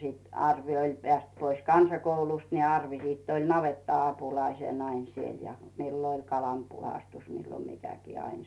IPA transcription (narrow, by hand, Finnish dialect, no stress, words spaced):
sit ɑrʋi olʲ peæˑst pois kɑnsɑkoulust ni ɑrʋi siːtː olʲ nɑʋetːɑɑpulɑisen ɑin siel milːo olʲ kɑlɑm puhɑstus milːo mikækiː ɑin